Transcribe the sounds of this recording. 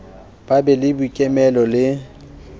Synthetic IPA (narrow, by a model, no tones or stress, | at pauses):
b̥abɛlɪbukʼɛmɛlɔlɪ